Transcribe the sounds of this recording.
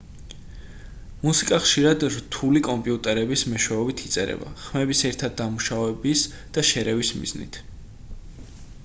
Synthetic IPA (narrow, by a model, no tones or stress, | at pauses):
musikʼaχʃiɾad̪ɾt̪ʰulikʼɔmpʼiut̪ʼɛɾɛbismɛʃwɛɔbit̪ʰit̪sʼɛ̰ɾɛ̰ba̰χmɛbisɛɾt̪ʰad̪ːamuʃavɛbis | d̪̥aʃɛɾɛvismḭznḭt̪ʰ